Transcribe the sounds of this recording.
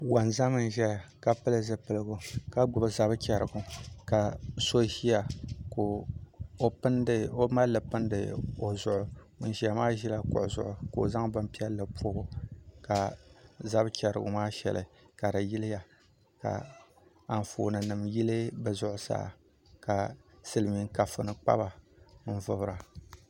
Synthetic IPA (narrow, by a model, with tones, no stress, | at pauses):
wa˨nza˦mɨ˨n˨ʒɛ˦a˨ka˨pɨ˦lɨ˦zɨ˦pɨ˨lɨ˦ɡʊ˨ka˨ɡ͡bʊ˨bɨ˨za˦bkʲɛ˨ɾɨ̰˨ɡʊ˨ka˨so˦ʒi˦ja˨ko˨o˦pɨ˦n˦o˦ma˦lːɨ˨pɨ˦n˦dɨ̰˨o˨zʊ˨ʊ˨ | n̩˨ʒi˨a˨maː˦ʒi˦la˦kʊ̰˨ʔʊ˨zʊ̰˨ʔʊ˨ko˨za˦ŋbɨ˦m˦pi˦ɛ˦lːɨ˨pʰoː˦ɡʊ˨ka˨za˦bkʲɛ˨ɾɨ̰˨ɡʊ̰˨maː˦ʃɛ̰˨lɨ˨ka˨ɾa˨ji˦lɪ˦ja˨ | ka̰˨ | a˨n˨fo̰ː˨nɨ˨nɨ˨mji˦lɨ˦bɨ˨zʊ˨ʔʊ˨sa̰ː˦˨ | ka˨sɨ˦lɨ˨mi˨ŋ˦ka˨fɨ˨nɨ˨k͡pa̰˦ba˨n̩˦vʊ˦˨bɾa˨